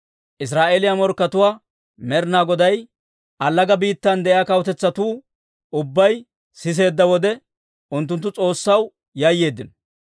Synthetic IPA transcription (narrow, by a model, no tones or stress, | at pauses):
ʔɪs̬ɾaːʔelɪjamɔɾkːɐt̪ʊwaː | mɛɾnaːɡɔd̪ɐj | ʔɐlːɐɡɐbiːt̪ːɐnd̪ɛʔjaːkɐwt̪ɛt͡sːɐt̪uː | ʔʊbːɐj | sɪs̬e̞ːd̪ːɐwɔd̪ɛ | ʔʊnt̪ːʊnt̪̬ːʊt͡sʼo̞ːsːɐw | jajːe̞ːd̪ːɪn